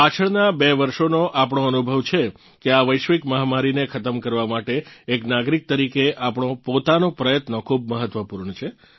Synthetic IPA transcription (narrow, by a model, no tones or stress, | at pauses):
pat͡ʃʰəɭnabeʋəɾʃonoʔapɳ̃õənubʱəʋt͡ʃʰe | keaʋəjʃʋikməɦamaɾinekʰət̪əmkəɾʋamaʈeːknaɡɾik̚t̪əɾikeʔapɳ̃õpot̪anopɾəjət̪nokʰub̚məɦət̪ʋəpuɾɳət͡ʃʰe